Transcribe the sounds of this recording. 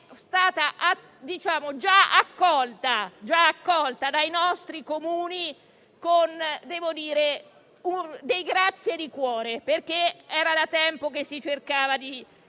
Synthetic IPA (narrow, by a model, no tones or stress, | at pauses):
st̪aːt̪aʔa | d̪it͡ʃaːmod͡ʒaa̰kːɔlt̪ad͡ʒaːkːɔlt̪ad̪ajnɔst̪ɾikomuːni | kond̪ɛːvod̪iːɾe | und̪ejɡɾat̪sːjed̪ikwɔːɾeperk̟eɛːɾad̪at̪ɛmpok̟esːit͡ʃerkaːvad̪i